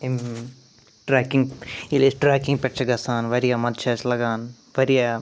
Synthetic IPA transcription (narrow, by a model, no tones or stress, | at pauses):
em | ʈɾaːkĩŋɡilesʈɾaːkĩŋɡ̚pʲɛʈ̚t͡ʃʰɐɡɐsaːnʋɐɾijaːmɐd̪̚t͡ʃʰɐːt͡ʃlɐɡaːn | ʋɐɾija